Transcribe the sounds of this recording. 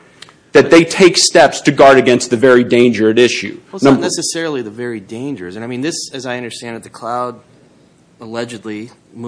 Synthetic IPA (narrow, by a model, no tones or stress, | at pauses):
ðɨt̪̚ðeɪtʰeɪkstɛpstʰɨɡɑɹɾɨɡɛ̃nst̪̚ðɨvɛɹidẽɪ̃nd͡ʒə˞ɨɾɪʃʉ̰nʌ̃mbnɛsɨsɛɹl̩ˠiðɨvɛɹidẽɪ̃nd͡ʒə̰˞zɨ̃naɪmĩnðɪsɨzaɪʌ̃ndə˞stæ̃ndɨt̪̚ðɨkʰl̥aʊd̚ | əlɛd͡ʒɨdˡli